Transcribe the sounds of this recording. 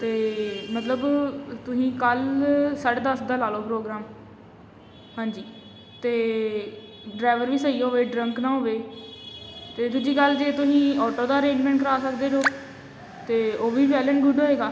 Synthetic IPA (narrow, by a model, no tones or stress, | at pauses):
t̪eːmət̪ləbt̪ʊsĩːkəlsəʈd̪əsd̪aːlaːloːpɾoːɡɾaːm | hãːnd͡ʒiː | t̪eː | ɖɾaːʋəɾʋiːsəiːoːʋeːɖɾəŋknãːɦoːʋeː | t̪eːt̪ʊsiːkəld͡ʒeːt̪ʊsĩːɔːʈoːd̪aːəɾẽːɲd͡ʒmɛ̃ːɳʈkəɾaːsəkd̪eːd̪oː | t̪eːoːʋiːpɛːləːnɡʊɖɦoːeːɡaː